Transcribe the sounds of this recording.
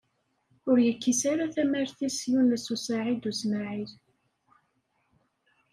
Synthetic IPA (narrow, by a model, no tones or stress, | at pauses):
ʊɾjəkːisaɾaθæmæɾθisjunːəsusaʕid̪usmaʕið